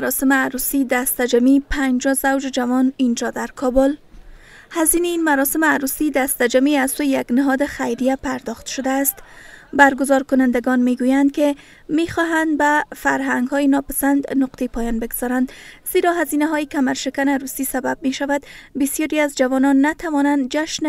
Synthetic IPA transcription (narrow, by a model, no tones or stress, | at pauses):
ɾɔsɪmɪaɾusid̪ast̪ad͡ʒamipʰand͡ʒɒzawd͡ʒɪd͡ʒavɔnind͡ʒɒd̪aɾkʰɒbʊl | haziniinmaɾɔsɪmɪaɾusid̪ast̪ad͡ʒamiazsojejaɡnɪɦɒd̪ɪxajɾijapaɾd̪ɒxt̪ʃʊd̪aːst̪ | baɾɡʊzɒɾkʊnand̪aɡɔnmeɡujand̪ke | mexɔɦand̪̚bafaɾɦaŋɡhɔjenɒpasand̪nʊqt̪ʰepʰɒjɒnbeɡz̥ɒɾand̪z̥eɾɒɦazinaɦɔjekamaɾʃɪkanaɾusisabab̚meʃavad̪bɪsjɒɾiazd͡ʒavɔnɒnːat̪ʰavɒnand̪̚d͡ʒaʃn